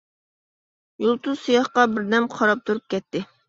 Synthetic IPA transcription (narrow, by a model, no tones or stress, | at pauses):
julˠt̪ʰuz̥sijɑχqɑbɪɾd̪ɛmqʰɑɾɑp̚t̪ʰuɾup̚kʲʰɛt̪ʰːɪ